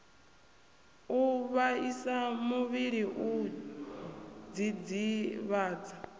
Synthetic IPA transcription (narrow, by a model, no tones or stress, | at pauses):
uβaisamuβiɺiʔu | d͡zid͡ziβaːd͡za